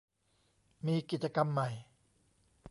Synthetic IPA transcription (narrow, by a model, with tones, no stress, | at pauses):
miː˧ki˨˩t̪̚t͡ɕa˧ka˧mːa˨˩j